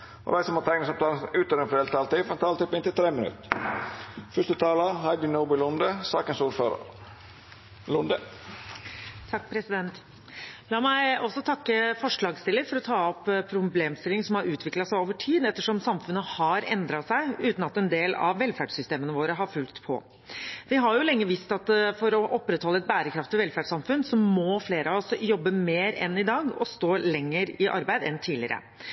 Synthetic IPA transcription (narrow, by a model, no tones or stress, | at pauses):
ɔ̰d̪æɪsɔmoːt̪ʰɛŋnəsɔp̚t̪ʰɑːʉːt̪əɾɛnfɾd̪ɛːlt̪ʰɑːlt̪iːfɾɛnt̪ʰɑːlət̪ʰɪpːɪnt̪ɪlt̪ʰɾeːmɪnʉ̰t̪ | fœʂt̪ət̪ʰɑːləɦɑɪd̪ɪnoːbɪlʊnd̪əsɑːkənsuːɾføːɾə̰ɾ | lʊnd̪ə | t̪ʰɑkːpʰɾɛsɪd̪ɛnt̪ | lɑːmæɪɔsːɔt̪ʰɑkːəfɔʂɭɑːɡst̪ɪlːəɾfɔɾɔt̪ʰɑːɔpːpʰːɾʊbleːmst̪ɪlɪŋsɔmhɑɾʉːt̪ʰʋɪklɑsæɪoːʋəʈʰiːd̪ɛt̪ːəʂɔmsɑmfʉnːəhɑɾɛnd̪ɾɑsæɪʉːt̪nɑt̪ɛnd̪eːlɑ̰ʋːɛlfæɖsʏst̪eːmənəʋoːɾəɦɑɾfʉlt̪pʰɔ̰ | ʋɪɦɑɾjʊlɛŋːəʋist̪ɑt̪fɔɾɔʔɔpːɾɛt̪hɔlːəɛt̪̚bæːɾəkʰɾɑft̪ɔʋɛlfæɖsɑmfʉnsɔmːɔfleːɾəɑɔsjɔbːəmeːɾɛ̰nɪd̪ɑːɡɔ̰st̪oːlɛŋːəɾɪʔɑ̰ɾbæɪd̪ɛnt̪ʰiːlɪ̰əɾə̰